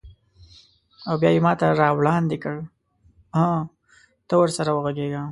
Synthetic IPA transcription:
awbjɑjemɑt̪aɾɑwɽɑnd̪ɪkəɽ | hã | t̪əwəɾsaɾawəɣaɡeɡa

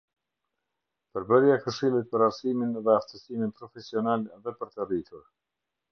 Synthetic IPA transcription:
pəɾbəɾjakəʃilˠit̪̚pəɾaɾsiminðɛaft̪əsiminpɾɔfɛsiɔnalðɛpəɾt̪ərit̪ʰuɾ

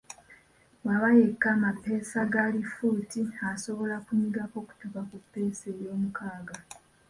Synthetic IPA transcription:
waβaje̞kːaːmapːe̞ːsaɡaːlifuːtiaso̞βo̞lakuɲiɡako̞ku̥tukakupːe̞ːse̞ːjo̞ːmukaːɡa

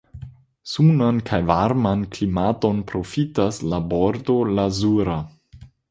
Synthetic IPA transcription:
sunankʰajvaɾmanklimato̞npɾo̞fitaslaboɾdo̞lazuɾa

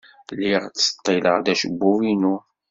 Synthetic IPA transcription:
lːiʁt͡sːə̥t̪ˤːilə̰ʁðæʃəbːuwinu

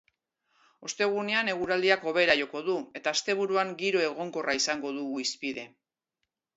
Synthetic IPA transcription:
o̞st̪e̞ɣ̞une̞ane̞ɣuɾald̪iako̞βe̞ɾaʝo̞ko̞ðue̞t̪aːst̪e̞β̞uɾuaŋɡiɾo̞e̞ɣ̞o̞ŋko̞raisaŋɡo̞ðuɣuispiðe̞

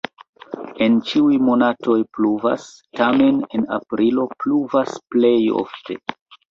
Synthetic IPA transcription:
e̞nt͡ʃiujmo̞natʰo̞jpluva̰stame̞ne̞na̰pɾilo̞pluvasple̞jo̰ftʰe̞̰

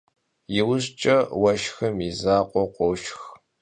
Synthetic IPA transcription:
jɪwʊɕt͡ʃʼɐwɐʃxɐmizaːqʷʼɔqʷʼɔwʃx

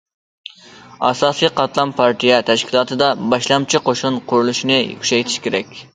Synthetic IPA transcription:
ɑ̰sɑːsɨjqʰɑt̪lˠɑmpʰɑɾt̪ijɛt̪ʰæʃkʲʰilˠɑːt̪ʰɨd̪ɑbɑʃlˠɑmt͡ʃʰiqʰoʃunqʰʊɾulˠuʃnɨj̰kʲʰy̥ʃɛjt̪ʰi̥ʃkʲʰeɾɛkʲ

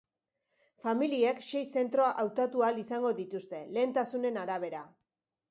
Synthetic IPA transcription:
familiekʃe̞jse̞nt̪ɾo̞aʔawt̪at̪ualisaŋɡo̞ðit̪ust̪e̞le̞ːnt̪asune̞naɾaβ̞e̞ɾa

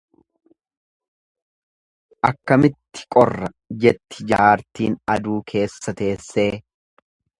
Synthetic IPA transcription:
ʔɐkːɐmɪt̪ːɪ̥kʼɔrːɐ | d͡ʒɛt̪ːɪ̥d͡ʒaːɾt̪ḭːnɐd̪uːkʰe̞ːsːɐt̪e̞ːsːe̞ː

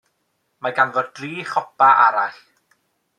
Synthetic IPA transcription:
maɡanvɔddriːχɔpaʔa̰ɾaɬ

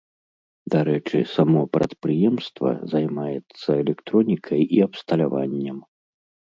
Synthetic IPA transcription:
d̪aɾɛt͡ʂɨ̰samɔpɾɐ̰t̪pɾɨjɛmst̪vɐ̰zajmajɛt̪sːɐɛlʲɛkt̪ɾɔnʲikʰɐjiɐpst̪ɐlʲavanʲːɛm

